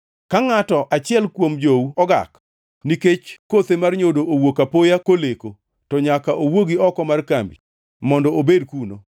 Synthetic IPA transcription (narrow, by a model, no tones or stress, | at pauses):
kaŋatɔʔat͡ʃɪɛlkwomd͡ʒowuɔɡa̰k | niket͡ʃkot̪emarɲodoʔowokapojakoleko | tɔɲakaʔowoɡiɔkɔmarkambḭ | mɔndɔobedkuno